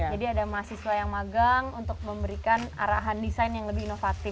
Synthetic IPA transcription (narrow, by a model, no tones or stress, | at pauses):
d͡ʒadiadamaɦasisuwajaŋmaɡaŋunt̪ʊk̚məmbəɾikana̰ɾaɦandisajnjaŋləbɪhinofat̪ɪ